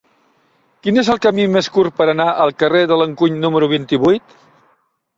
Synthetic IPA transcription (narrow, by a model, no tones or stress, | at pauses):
kinezəlˠkəmimeskurpəɾənaʔəlˠkəreðələŋkuɲnuməɾuβ̞int̪iβujt̪